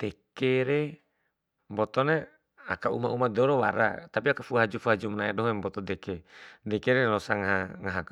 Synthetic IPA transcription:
d̪̥ɛkɛɾe | mbɔt̪ɔne | a̰kaṵmaumadɔɾɔwa̰ɾa̰t̪apiakafuɦad͡ʒufuɦad͡ʒumənaɛdɔɦɛmbɔt̪ɔd̪ɛkɛdɛkɛɾɛlɔsaŋaɦaŋaɦak

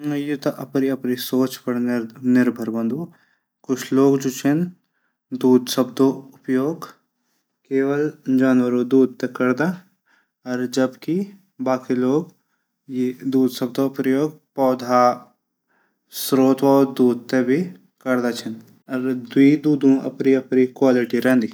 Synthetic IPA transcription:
ɐjut̪aʔɐpɾiɐpɾisoːt͡ʃpɐɽnɾnɪɾbʱəɾbɐ̃nd̪ʱo | kʊt͡ʃʰloːɡd͡ʒoːt͡ʃʰɐn | d̪uːd̪sɐb̚d̪oʊpjoːɡ | keːʋəld͡ʒaːnwəɾod̪uːd̪̚t̪ekɐɾd̪a | ɔɾd͡ʒɐbki | baːkiloːɡ | jed̪uːd̪sɐb̚d̪opɾəjoːɡ̚pɔːd̪ʱa | sɾoːt̪waɔd̪uːd̪̚t̪ebʱi | kɐɾd̪at͡ʃʰɐn | ɔɾd̪wiːd̪uːd̪ʱũʔɐ̰pniɐpɾikwaːlɪʈiɾɛ̃ːnd̪i

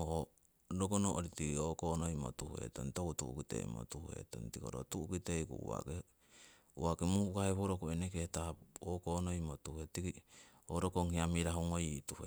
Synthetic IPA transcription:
o | ɾoɡonoʔoɾitikiokonojmo̰tuhue̞̰to̰ntokutṵʔukitḛḭmo̰tuhuhe̞̰to̰ntiko̰ɾo̰tuukiteikṵṵwa̰ke | uwakemuhukaheβoɾokoenekehtaokonojmotuhuetiki | oɾokoŋhiamiɾaɦuŋojituhe

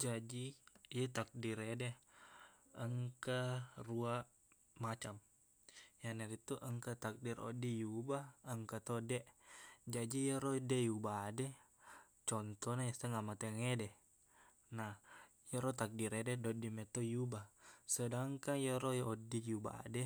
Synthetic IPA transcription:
d͡ʒad͡ʒijət̪ak̚diɾedɛ | əŋkarua | mat͡ʃam | janaɡit̪uʔəŋkat̪ak̚diɾo̰dijubaəŋkat̪odɛʔd͡ʒad͡ʒijəɾodejubadɛ | t͡ʃɔnt̪ɔnajast̪aŋamat̪eŋedɛ | nah | jəɾɔt̪ak̚diɾedɛdodimet̪ojubasədaŋkaŋjəɾojodijuba̰dɛ

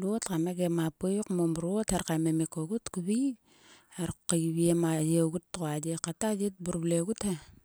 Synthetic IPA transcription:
luotkameɡemapojukmomɾuotaɾkamemekoɡutkuβi | aɾkːaβiemajeɡutːɣoad͡ʒekatad͡ʒit̚buɾbleɡuta

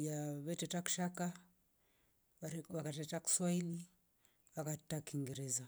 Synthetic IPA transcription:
jaβɛtɛtaku̥ʃaka | aβakatɛtaku̥swaili | βakatakiŋɡɛɾɛza

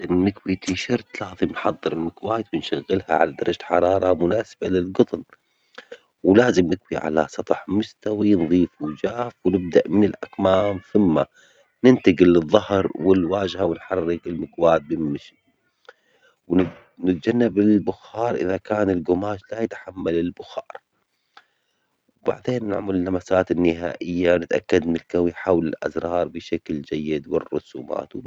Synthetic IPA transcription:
ɪnɪkwit̪iʃɑɾˤt̪lɑːðˤimnħɑðˤːɨɾɪlmɪkwaːt̪wɪnʃaɣːɪlha̰ʕa̰lad̪ɑɾˤɑd͡ʒaħɑ̰ɾˤɑːɾˤɑmʊnaːsbalɪlɡʊt̪ˤn | wlaːzɪmnɪkwiʕa̰la̰sˤɑt̪ˤħmʊst̪awinðˤiːfud͡ʒaːfwnɪb̚d̪aʔmɪnɪlʔakmaːmθɪmːa | nɪnt̪aɡɪlɨðˤːɑhɾˤwɪlwaːʒhawɪnħarːɪɡɪlmɪɡwaːt̪̚bɪmɪʃi | w | nɪt̪̚d͡ʒanːabɪlbʊxɑːɾˤʔɪ̰ðakaːnɪlɡʊmaːʃlajɪt̪ħamːalɪlbʊxɑ̰ːɾˤ | wba̰ʕd̪eːnːa̰ʕmɪlɪlːamasaːt̪ɪnːɪɦa̰ːʔɪjːanɪt̪ʔa̰kːad̪mɪlkawijħaːwlɪ̰lʔa̰zɾˤɑːɾˤbɪʃakld͡ʒajːɪd̪wɪ̰rˤːʊ̰sṵːma̰ːt̪w

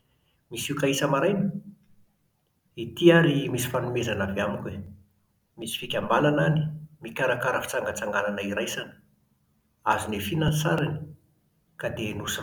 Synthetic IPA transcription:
misiukaisəmaɾajni̥ | it̪iaɾimisi̥fanumezanaveamikʲwe | misi̥fikʲambalanani̥mikʲaɾakaɾəfi̥t͡saŋɡət͡saŋɡalanaiɾajsanə̥ | azunefinant͡saɾani | kad̪enus

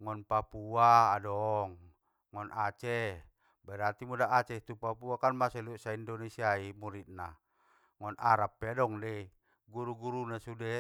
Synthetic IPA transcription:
ŋɔnpapuaadɔŋː | ɔnʔat͡ʃɛ | bɛɾat̪imudaʔːt͡ʃɛt̪upapuakanmasɛlusaindɔnesiaimuɾit̪̚na | ŋɔnʔaɾapːeadɔŋdɛ | ɡuɾuɡuɾunasudɛ

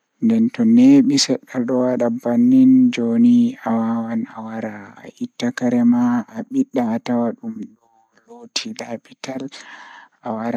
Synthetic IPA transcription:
ndɛntɔneɓisɛɗːalɗɔwaɗabanːind͡ʒoniawawana̰waɾa̰ːʔitːakaɾɛmaːɓiɗːatawaɗumɗɔ | lotʰilapital | ʔawaɾa

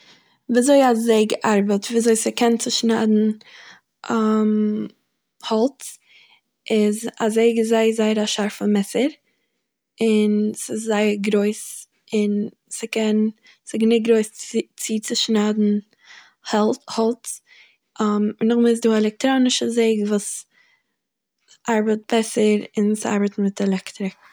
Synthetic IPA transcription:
viːzoɪazeɪɡəʔaɾbətviːzoɪsɪkʰɛnt͡sɪʃnaːdn̩ | am | hɔlˠt | ʔɪzazeɪɡəzaɪəzaɪəɾaʃaɾfɪnmɛsəɾ | ɪnsɪszaɪəɾɡɾoɪs | ɪn | sɪkɛn | sɪɡnɪtɡɾoɪst͡sit͡sɪʃnaːdn̩ | hɛlˠhɔlˠt | amnʊχmɛs̬duːɛlˠɛk̚tɾonɪʃəzeɪɡvuːs | ʔaɾbət̚b̥ɛsəɾɪnsa̰ɾbətn̩mɪtɛlˠɛktɾɪk̚

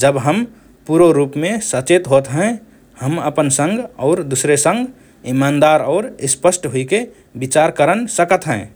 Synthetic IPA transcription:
d͡ʒəbɦəm | puɾoɾupmesət͡ʃet̪ɦot̪ɦɛ̃ | həməpənsə̃ŋɡɔʊɾd̪usɾesə̃ŋɡ | imand̪aɾɔʊɾispəsʈɦoike | bit͡ʃaɾkəɾənsəkət̪ɦɛ̃

